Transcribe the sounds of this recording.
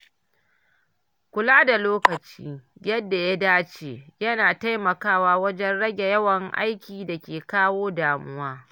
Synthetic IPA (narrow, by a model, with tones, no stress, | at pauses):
kʷʊ˨laː˦da˨loː˦kɐ˨t͡ʃḭː˦jɐ˦dːa˨ja˦daː˦t͡ʃeː˦jɐ˦naː˨ta˦jmɐ˨kaː˦waː˦wɐ˦d͡ʒɛ˦nɽɐ˦ɡʲe˨jɐ˦wɐ˨ŋʔa̰˦jkʲiː˨da˨kʲeː˨kaː˦woː˦daː˨mʊ˦waː˦